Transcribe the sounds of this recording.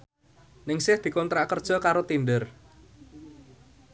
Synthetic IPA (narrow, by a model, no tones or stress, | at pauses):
nɪŋsɪhd̪̥i̤kɔnt̪ɾaʔkərd̥ʒ̥ɔ̤kaɾot̪inɖər